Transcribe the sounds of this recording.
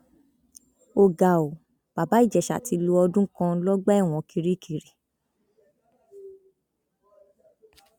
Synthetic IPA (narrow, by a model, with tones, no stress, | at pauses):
o˧˨ɡa˨o˨ | b̥a˨ba˨˦i˦˨d͡ʒɛ˨ʃa̰˨ti˧˦lo˧ɔ˧dũ˦kã˧˦lɔ˦ɡ͡bɛ˦˨w̃ɔ̃˨ki˧ɾi˦˨kʰi˧˨ɾi˨